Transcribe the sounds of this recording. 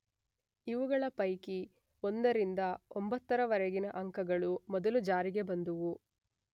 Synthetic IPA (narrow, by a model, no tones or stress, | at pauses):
iʋuɡɐɭɐpɐjki | ond̪ɐɾind̪ɐombɐt̪ːɐɾɐʋɐɾɛɡinɐʔɐŋkɐɡɐɭumɔd̪ɐlud͡ʒaːɾiɡe̞bɐnd̪uʋu